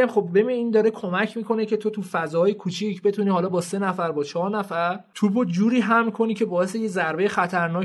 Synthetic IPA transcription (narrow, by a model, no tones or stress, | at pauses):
æmχo̞b̚be̞bineiːnd̪ɒːɾe̞kʰo̞mæcʰmiːkʰo̞ne̞cʰe̞t̪ʰo̞t̪ʰufæzɒːjekʰut͡ʃʰicʰbe̞t̪uniːhɒːlɒːbɒːse̞næfæɾbɒːt͡ʃʰɒːɾnæfæɾt̪ʰubod͡ʒuːɾiːɦæmkʰo̞niːcʰebɒːje̞sejezæɾbejexæt̪ʰæɾnɒː